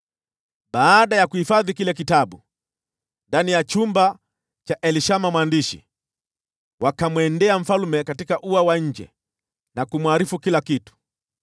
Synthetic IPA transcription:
ɓaːɗajakuhifaðikilɛk̬itaɓu | ndanijat͡ʃumba | t͡ʃaʔɛliʃamamwandiʃḭ | wakamwɛndɛam̩falumɛkatikaʔuawaɲ̩d͡ʒɛ̰ | nakumwaɾifukilakitu̥

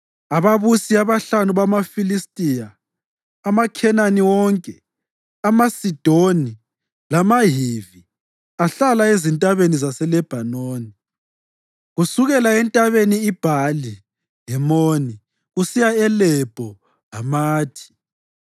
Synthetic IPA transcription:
aβaβusiaβaɬanuβamafilistʼijaː | makʰɛnaniwɔŋkʼɛ | amasid̥ʱoni | lamaɦivi | aɬalaezintʼaβenizasɛlɛb̥ʱanoːni | ɣusuɣɛlaɛntʼaβeniːb̥ʱali | ɦɛmoni | ɣusijaɛlɛb̥ʱɔ | ɦamaːtʰi̥

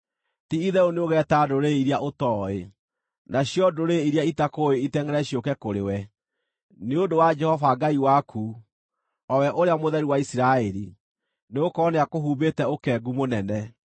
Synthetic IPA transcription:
tiiðɛoneoɣɛtadoɾeiɾjaʔotɔːe | naɕjɔdoɾeiɾiaitakoeitɛŋɡɛɾɛɕiokɛkoɾḛwɛ | neodowad͡ʒɛhɔvaɡaiwakʰu | ɔwɛʔoɾeamoðɛɾiwaisiɾaɛɾḭ | neokɔneakoɦubetɛokɛɡumonɛnɛ

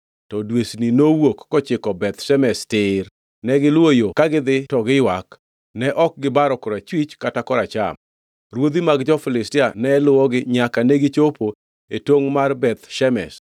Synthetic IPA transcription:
tɔdwesninowokːɔt͡ʃɪkɔbɛt̪ʃɛmɛstɪr | nɛɡɪlwojokaɡɪd̪ɪtɔɡɪjwak | nɛʔɔk̚ɡɪbaɾɔkɔɾat͡ʃwit͡ʃkatakɔɾat͡ʃa̰m | rwod̪imaɡd͡ʒɔfɪlɪstɪanɛlʊwɔɡɪɲakanɛɡɪt͡ʃopo | etoŋmarbɛt̪ʃɛmɛ̰s

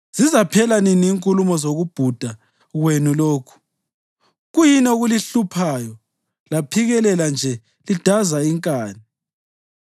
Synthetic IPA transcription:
z̥izapʰɛlaniniːŋkʼulumɔzoɣub̥ʱud̥ʱa | ɣwenuloːkʰu̥ | ɣujinoɣuliɬupʰajɔ | lapʰiɣɛlɛland͡ʒʱɛ | lid̥ʱazaiŋkʼaːni

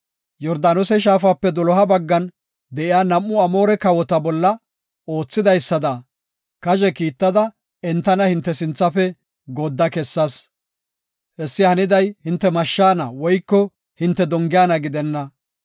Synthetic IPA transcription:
jɔɾd̪aːnɔsɛʃ̬aːfaːpːɛd̪ɔlɔɦɐbɐɡːɐn | d̪ɛʔɪjaːnɐmːʊɐmoːɾɛkɐwɔt̪ɐbɔlːɐ | o̞ːt͡sːɪd̪ɐjsːɐd̪ɐ | kɐʒɛkiːt̪ːɐd̪ɐ | ɛnt̪ːɐnɐhɪnt̪ːɛsɪnt͡sːɐfɛ | ɡɔd̪ːɐkɛsːɐs | hɛsːɪhɐnɪd̪ɐjhɪnt̪ːɛmɐʃːaːnɐwɔjkːɔ | hɪnt̪ːɛd̪ɔŋɡɪjaːnɐɡɪd̪ɛnːɐ

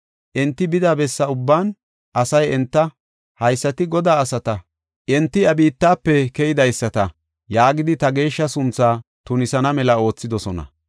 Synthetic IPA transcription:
ʔɛnt̪ːɪbɪd̪aːbɛsːɐʊbːaːn | ʔɐsɐjɛnt̪ːɐ | hɐjsːɐt̪ɪɡɔd̪aːɐsɐt̪ɐ | ʔɛnt̪ːɪɐbiːt̪ːaːpːɛkɛjɪd̪ɐjsːɐt̪ɐ | jaːɡɪd̪ɪt̪ɐɡe̞ːʃːɐsʊnt͡sːaː | t̪ʊnɪsɐnɐmɛlɐo̞ːt͡sːɪd̪ɔsɔnɐ̰

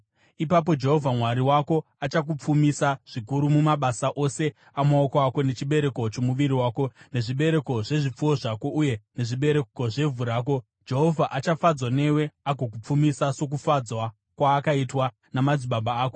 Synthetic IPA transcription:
ipap̬o̞d͡ʒe̞ɦo̞vʱamwaɾiwako̞ | at͡ʃak̬up͡fumisaʐ̥ikuɾumumaɓasaʔo̞se̞ | amaokoako̞ne̞t͡ʃiɓe̞ɾe̞ko̞t͡ʃo̞muʋiɾiwaːko̞ne̞ʐiɓe̞ɾe̞ko̞ʐe̞ʐip͡fuo̞ʐako̞ʔuje̞ne̞ʐiɓe̞ɾe̞ko̞ʐe̞vuɾaːk̬o̞ | d͡ʒe̞ɦo̞vʱaʔat͡ʃafad͡zwane̞we̞aɡʱo̞k̬up͡fumisaso̞k̬ufad͡zwa | kwaːkaitwa | namad͡ziɓaɓaaːko

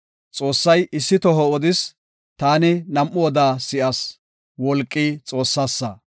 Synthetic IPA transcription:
t͡sʼo̞ːsːɐjʔɪsːɪt̪ɔɦɔɔd̪ɪs | t̪aːnɪnɐmʔːʊɔd̪aːsɪʔɐs | wɔlkʼːiːt͡sʼo̞ːsːaːsːɐ

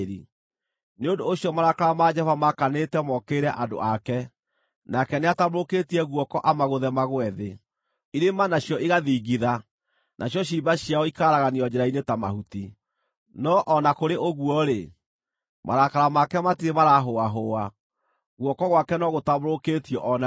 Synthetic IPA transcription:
i | neondoːɕjɔmaɾakaɾamad͡ʒɛhɔvamakanetɛmɔkeːɾɛʔado̰ʔakɛ | nakɛneataβoɾoketiɛɣwɔkɔʔamaɣoðɛmaɣwɛðe | iɾemanaɕjɔʔiɣaðiːɡiða | nʔaɕjɔɕ̬iːbaɕjaɔikaɾaɣaniɔd͡ʑɛɾainetama̰huti | nɔʔɔnakoɾeʔoɣwɔɾe | ma̰ɾakaɾamakɛmatiɾemaɾaɦoaɦoa | ɣwɔkɔɣwakɛnɔɣotaβoɾokeːtiɔʔɔna

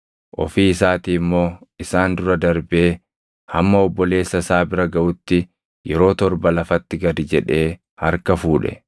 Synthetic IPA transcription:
ʔɔ̰fiːɪsaːt̪iːmːo̞ːɪsaːnd̪ʊɾɐd̪ɐɾbe̞ː | hɐmːɐɔbːɔle̞ːsːɐsaːbɪɾɐɡɐʔʊt̪ːɪ | jɛɾo̞ːt̪ɔɾbɐlɐfɐt̪ːɪɡɐd̪ɪd͡ʒɛᶑe̞ː | hɐɾkɐfuːᶑɛ̰

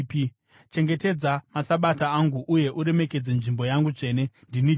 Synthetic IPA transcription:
p | t͡ʃe̞ŋɡe̞te̞d͡zamasaɓataːŋɡuʔuje̞ʔuɾe̞me̞ke̞d͡zenʐimbo̞jaŋɡut͡ʂe̞ːne̞ndini

